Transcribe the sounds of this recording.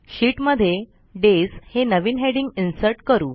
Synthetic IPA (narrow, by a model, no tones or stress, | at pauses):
ɕiːʈməd̪ʱːje | ɖeshenəʋiːnɦeɽiŋɡinsəɾʈkəɾuː